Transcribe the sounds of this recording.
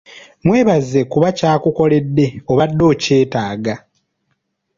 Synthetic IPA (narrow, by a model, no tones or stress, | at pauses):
mwe̞ːβazːe̞kuβacaːkuko̞le̞dːe̞o̞βadːo̞ːce̞ːtaːɡa